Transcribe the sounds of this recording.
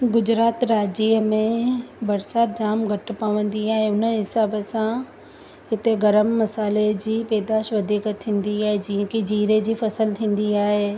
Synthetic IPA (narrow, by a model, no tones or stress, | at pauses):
ɡʊd͡ʑɾaːt̪ɾaːd͡ʑiːəmẽbɐɾsaːt̪̚d͡ʑaːmɡʱɐʈ̆paːʋə̃nd̪iaːɦeʊnə̆ɦɪsaːbəsã | ɦɪt̪eɡɐɾəmːɐsaːled͡ʑiːpeːd̪aːʃʋɐd̪ʱiːkət̪ʰĩːn̆d̪iaːɦed͡ʑĩːə̃kid͡ʑiːɾed͡ʑiːfɐsəlt̪ʰĩːn̆d̪iaːɦe